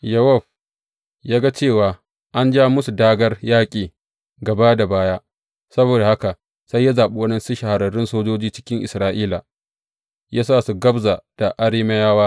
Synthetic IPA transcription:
jɐ˦wa˦˨ɸ | jaː˦ɡa˦t͡ʃeː˦˨waː˨ | ʔa˦nd͡ʒaː˦mʊ˦su˨daː˦ɡɐ˦rjaː˦kʲʼiː˨ | ɡɐ˨baː˦da˨baː˦jaː˦ | sɐ˦boː˨da˨ha˦ka˨ | sa˦jːa˦zaː˨ɓu˦wɐ˦nɛ˦nsɪ˦ʃa˨ha˨ɾɐ˨ɽɪ˦nsoː˦d͡ʒoː˦d͡ʒiː˦t͡ʃɪ̥˦kʲɪ˦ŋʔɪ̰˨sɾaː˦ʔiː˦la˨ | jaː˦saː˦˨su˨ɡɐ˦bza˨d̥a˨ʔa˦ɽiː˦mɐ˦jaː˦waː˦

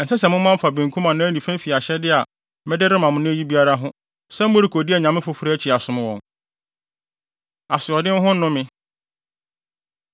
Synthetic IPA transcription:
n̩˨sɛ˦sɛ˨mʊ̃˦m˦mã˦m̩˦fa˨bĩ˨ŋ̩˨kʰũ˦mã˨nã˦nĩ˨fæ̃˦fi˨a˨ɕɛ˦dɪ˦a˨˦ | mɛ̃˦dɪ˦ɾɪ˦mã˨mʊ̃˦nʊ̃˦æ˦ji˦bi˦a˦ɾa˦ɦʊ̃˦ | sɛ˦m̩˦mʊ̃˦ɾi˨kʰo˨dɪ˦ɛ˨ɲã˨mɪ̃˦fʊ˦fɾi˦æ˦t͡ɕʰɪ˨a˨sʊ̃˨m̃˦wɔ̃˨n | a˨sɪ˨ɔ˨dɪ̃˦n˦ɦʊ̃˦n̩˦ʊ̃˦mɪ̃˦

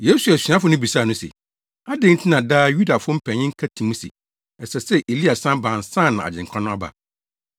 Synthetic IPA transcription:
je˨˦su˨æ˨sɥa˦fʊ˨˦nʊ̃˦bi˨saː˦˨nʊ̃˦sḛ˨ | a˦dẽ˦n̩˦tʰɪ̃˦nã˨daː˦ju˦da˨fʊ˦m̩˦pʰɛ̃˨ɲɪ̃˦ŋ̩˦kʰa˦tʰĩ˨mũ˦sɪ̰˨ | ɛ˨sɛ˨sɛ˦ʔe˨li˦a˨sã˦bã˨n˨sã˦˨nã˨a̰˨d͡ʑɪ̃˨ŋ̩˨kʰã˦nʊ̃˦a˦ba̰˨

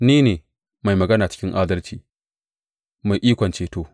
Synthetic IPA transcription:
niː˦neː˨ | ma˨jmɐ˨ɡɐ˦naː˨t͡ʃɪ̥˦kʲɪ˦ŋʔaː˦dɐ˦lt͡ʃiː˨ | ma˨jʔiː˦kʷɔ˨nt͡ʃeː˦toː˨

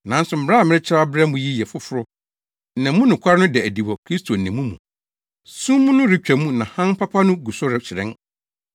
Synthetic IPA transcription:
nã˨n̩˦sʊ˨m̩˨bɾa˦˨mɪ̃˦ɾɪ˦t͡ɕʰɪ˦ɾa˦bɾɛ˦m̩˦ʊ̃˨ji˦jɛ˨fʊ˦fʊ˦ɾʊ˦ | n̩˨nɛ̃˨mũ˦nʊ̃˨kʷʰa˦ɾʊ̃˦dɛ˨æ˨di˨wɔ˨kʰɾi˦stʰo˨n̩˨nɛ̃˨mũ˦mũ˨ | sũ˦mːũ˦nʊ̃˦ɾɪ˦t͡ɕᶣæ˨mũ˦nã˨hã˦m̩˦pʰa˦pʰa˦nʊ̃˦ɡu˨sʊ˦ɾɪ˨t͡ɕʰɪ˨ɾɛ̃˦n

